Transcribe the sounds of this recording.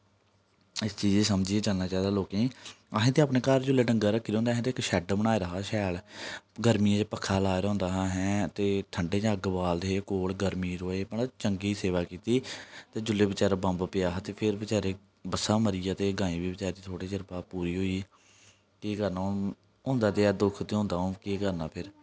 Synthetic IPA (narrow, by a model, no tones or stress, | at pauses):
ɪst͡ʃiːd͡ʒeːsəmd͡ʒiːẽːt͡ʃaːlnaːt͡ʃaːiːd̪aːloːkẽ | əɦẽːt̪eːaːpneːkaːɾd͡ʒʊlːeːɖəŋɡaːɾəkʰːɾõːnd̪aːɦɛ̃ːt̪eːɪkʃɛːɖbəñaːeːɾəɦaːʃɛːlɡəɾmiẽːd͡ʒeːpəkʰːaːlaːeɾɔ̃ːnd̪aːɦaɦɛ̃ːt̪eːʈʰəɳɖeːd͡ʒãːɡbaːld̪eːkoːlɡəɾmiːɾoːeːpəɳt͡ʃəŋɡiːiːseːʋaːkiːt̪iːt̪eːd͡ʒʊlːeːbət͡ʃaːɾaːbəmbpɪjaːɦt̪eːpʰɪɾbət͡ʃaːɾeː | bəsaːməɾijaːt̪eːɡãːĩːbiːbət͡ʃaːɾeːd̪iːt̪ʰoːɽeːd͡ʒəɾpaːpuːɾiːɦoːiː | kiːkəɾnaː | ɦʊ̃ːnd̪aːt̪eːɛːd̪ʊkʰt̪eːɦõːnd̪aːɦõːkiːkəɾnaːpʰɪɾ